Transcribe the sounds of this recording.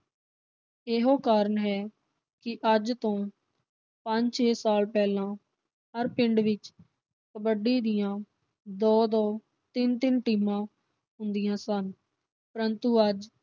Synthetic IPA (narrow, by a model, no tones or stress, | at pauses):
eːɦõːkaːɾəɳɦɛː | kɪʔəd͡ʒt̪õː | pəɲd͡ʒt͡ʃʰeːsaːlpɛːlãː | ɦəɾpɪɳɖʋɪt͡ʃ | kəbəɖiːd̪ɪjãː | d̪ɔːd̪ɔː | t̪ɪnt̪ɪnʈiːmãː | ɦʊnd̪ɪjãːsən | pəɾənt̪uːəd͡ʒ